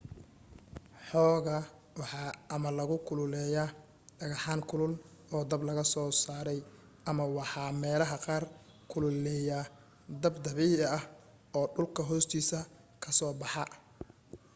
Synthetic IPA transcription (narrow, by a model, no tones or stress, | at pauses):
ħɔːɣɐ | wɑħɑːʔɐmɐlɐɣʊkʰʊlʊlɛːja | ɖɐɣɑħɑːŋkʰʊlʊl | ɔːd̪ɐblɐɣɐsɔːsaːɾɛj | ʔɐmɐwɑħɑːmɛːlɐɦɐqɑːr | kʰʊlʊlɛja | d̪ɐbd̪ɐβiːɐɐh | ɔːɖʊlkʰɐɦɔːst̪ʰiːsɐ | kʰɐsɔːbɑħɑ